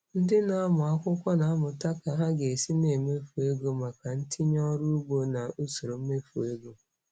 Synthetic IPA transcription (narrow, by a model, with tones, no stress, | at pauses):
n̩˦dɪ˦na˦a˦mʊ˨a˦kʷʊ˦kʷɔ˦na˨a˦mʊ˨ta˦ka˨ɦa˦ɡe˨si˦ne˨me˦fu˨e˦ɡo˦ma˨ka˨n̩˦tʰɪ˦ɲɔ˦ɾu˦u˦ɡ͡bo˦na˨u˦so˨ɾo˨m̩˦me˦fu˨e˦ɡo˦